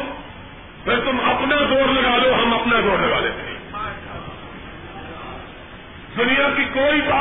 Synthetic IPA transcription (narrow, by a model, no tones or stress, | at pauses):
beɾt̪ʊmɐpnaːzoːɾləɡaːloːɦəməpnaːzoːɾləɡaːleːt̪ʰḭː | d̪ʊnijaːkikoːiːsaː